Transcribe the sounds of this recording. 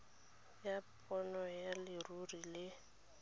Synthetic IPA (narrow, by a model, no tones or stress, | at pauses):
japʼɔnɔjalɪrurilɪ